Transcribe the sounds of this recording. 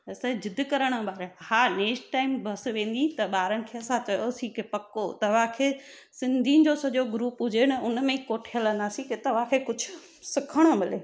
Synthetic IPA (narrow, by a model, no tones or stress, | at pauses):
ɐsɐd͡ʑɪd̪ʱkɐɾəɽ̃ə̆ɓaːɾhaːneːksʈʈaːɪmbʱɐsʋẽːn̆d̪it̪ɐɓaːɾənɪ̆kʰeːɐsãt͡ɕɐjosĩkepɐkot̪ɐʋ̤ãkʰeː | sɪ̃nd̪ʱid͡ʑosɐʄoɡʊɾuːpɦʊd͡ʑenɐʊnmẽkoːʈʰiələ̃nd̪aːsĩket̪ɐʋ̤ãkʰekʊd͡ʑʱʊ | sɪkʰəɽ̃ə̆mɪleː